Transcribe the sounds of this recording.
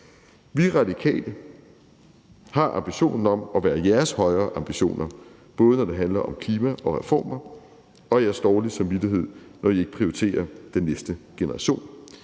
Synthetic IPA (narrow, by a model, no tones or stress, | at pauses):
ʋiʁɑ̈dikʰɛ̰ːlə | hɑ̈ʔɑ̈mb̥iɕo̝̰ːnn̩ɒ̽mɒ̽ʋæːɐjæɐshɒ̽ɪɐːʔɑ̈mb̥iɕo̝̰ːnʔɐ | b̥ɔ̽ːð̞ˠənɒd̥e̝ɦænlɐʔɒ̽mkʰliːmæʔɒ̽ʁɛfɒ̰ːmɐ | ɒ̽jæɐsd̥ɒːlisɑmʋid̥ɐɦe̝ð̞̰ˠnʔɒie̝ɡ̥əpʰʁioit͡sʰe̝̰ːɐd̥enːesd̥əɡ̥e̝nɐʁɑ̈ɕo̝̰ːn